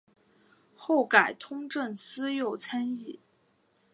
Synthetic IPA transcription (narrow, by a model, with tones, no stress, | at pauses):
xo˥˩ʊka˨˩ɪt̪ʰʊ˥ŋʈ͡ʂə˥˩nsɹ̩˥jo˥˩ʊt͡sʰa˥ni˥˩